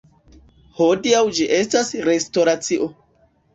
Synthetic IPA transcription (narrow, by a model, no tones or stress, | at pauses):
hodiawd͡ʒiʔe̞stasɾesto̞ɾat͡siʔo